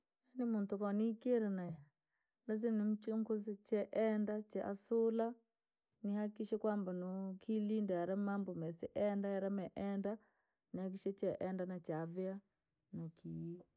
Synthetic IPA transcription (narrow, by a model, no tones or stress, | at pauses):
janimuntukɔnikeɾɛnaja | mɛzɛnim̩t͡ʃuŋkozit͡ʃɛʔɛndat͡ʃɛʔasula | nihakiʃɛkwambanokʰilindɛaɾɛmambɔmɛsɛʔɛndajaɾɛmɛʔɛnda | nihak̬iʃɛt͡ʃɛʔɛndanat͡ʃavia | noki